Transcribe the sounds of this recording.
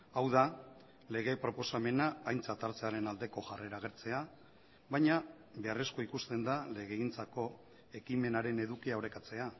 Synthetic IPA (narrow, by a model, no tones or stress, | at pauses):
awða | le̞ɣ̞e̞pɾo̞po̞same̞naːjnt͡sat̪aɾt͡se̞aɾe̞nald̪e̞ko̞ʝare̞ɾaɣ̞e̞ɾt͡se̞a | βajɲa | βe̞are̞sko̞ikust̪e̞nd̪ale̞ɣe̞int͡sako̞ | e̞kime̞naɾe̞ne̞ðukiaoɾe̞kat͡se̞a